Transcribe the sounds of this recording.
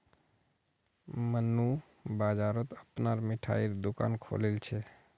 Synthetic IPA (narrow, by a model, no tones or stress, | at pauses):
mənːu | bad͡ʒaɾɔt̪əpnaɾmiʈʰa̰iɾd̪uka̰nkʰo̰lelt͡ʃʰɛ